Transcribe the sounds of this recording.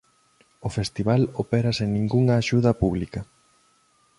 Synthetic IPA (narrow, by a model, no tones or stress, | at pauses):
ofest̪iβalopeɾɐseŋnĩŋɡuŋɐaːʃuðɐpuβlikɐ